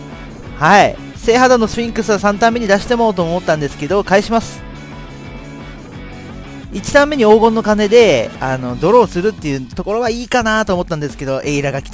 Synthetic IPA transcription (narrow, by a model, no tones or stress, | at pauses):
hai | se̞ːɦad̪anːo̞sɨ̥pʲĩŋkɯ̟sɨβasãnt̪ãmːe̞ɲ̟id̪aɕi̥t̪e̞mo̞ːt̪o̞ːmo̞t̪ːãnd̪e̞sɨ̥ke̞d̪o̞kaiɕimasɨ̥ | it͡ɕi̥t̪ãmːe̞ɲ̟io̞ːɡõ̞nːo̞kane̞d̪e̞ano̞d̪o̞ɾo̞ːsɨɾɯ̟t̪ːe̞jɯ̟t̪o̞ko̞ɾo̞β̞aiːkanat̪oːmo̞t̪ːãnd̪e̞sɨ̥ke̞d̪o̞ʔe̞iɾaɡakʲi̥t̪a